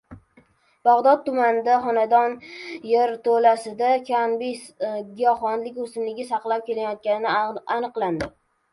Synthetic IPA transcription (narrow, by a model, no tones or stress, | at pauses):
b̥aʁd̪ɒt̪̚t̪ːʊmanɪd̪aχɒnad̪ɒnjeɾt̪ʰolasɪd̪akʲʰambɪɡʲɪjɒχɒnlɪkʲʊsɪmlɪɡʲasɑqlˠap̚kʲe̞lajɒt̪̚kʲanɪnɪanɨqlˠand̪ɪ